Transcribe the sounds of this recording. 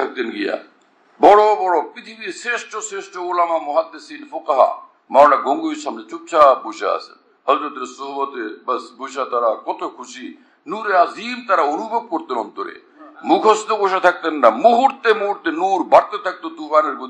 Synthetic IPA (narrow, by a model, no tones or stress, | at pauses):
t̪ʰak̚t̪enɡija̰ | bɔɽobɔɽopɾit̪ʰibiɾseʃʈoseʃʈoolamamɔɦad̪ːesinfokaɦa̰ | maɾlaɡoŋɡuiɾʃamnet͡ʃup̚t͡ʃʰapojʃa̰ɐ̰sḛn | ɦɔzɾot̪eɾsoɦubɔt̪ebɐsbojʃat̪aɾakɔt̪okʰuʃi | nuɾeɾazimt̪aɾaonubʱoɡ̚koɾt̪enɔ̰nt̪oɾḛ | mukʰɔst̪oboʃat̪ʰak̚t̪enːamuɦuɾt̪emuɦuɾt̪enuɾbaɽt̪et̪ʰak̚t̪od̪ukaneɾbo